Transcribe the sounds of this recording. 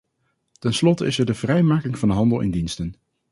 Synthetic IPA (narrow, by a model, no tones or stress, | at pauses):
tɛnslɔtəɪsɛɹdəv̥rɛjmaːkɪŋvɑnəɦɑndəlˠʔɪ̰ndinstən